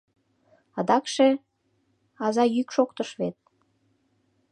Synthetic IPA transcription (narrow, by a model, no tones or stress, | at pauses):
ɑd̪ɑkʃe | ɑzɑjykʃokt̪əʃβet̪̚